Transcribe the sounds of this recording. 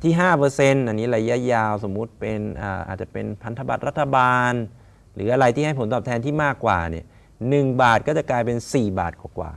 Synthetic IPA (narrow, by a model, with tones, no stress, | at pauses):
t̪ʰiː˥˩ɦaː˥˩pɤː˧se˧nʔa˧nːiː˦˥ɾa˧ja˦˥jaː˧wso˩˦mːu˦˥t̪̚pe˧nʔə̰ː˨˩ʔa̰˨˩t̪̚t͡ɕa˨˩pḛ˧npʰa˧nt̪ʰa˧ba˨˩t̪̚ɾa˦˥t̪ʰːa˧baː˧n | ɾɯː˩˦˥ʔa˧ɾa˧jt̪ʰi˥˩ɦa˥˩jpʰo˦nt̪ɔː˨˩p̚t̪ʰɛ˧nt̪ʰiː˥˩maː˥˩kːwa̰ː˨˩ni˦˥˩ɐ | nɯ˨˩ŋbaː˨˩t̪̚kɔː˥˩t͡ɕa˨˩klaː˧jpe˧nsiː˨˩ba̰ː˨˩t̪̚kwaː˨˩kwa̰ː˨˩